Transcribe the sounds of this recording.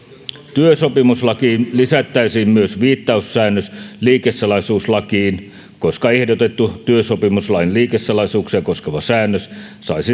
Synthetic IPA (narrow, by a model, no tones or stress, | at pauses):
t̪yøsopimuslɑkiːnlisæt̪ːæisiːmmyøsʋiːt̪ːɑussæːnːøsliːkesːɑlɑisuːslɑkiːn | koskɑehdot̪et̪ːut̪yøsopimuslɑjnliːkesːɑlɑsuːksijɑkoskeʋɑsæːnːøssɑisi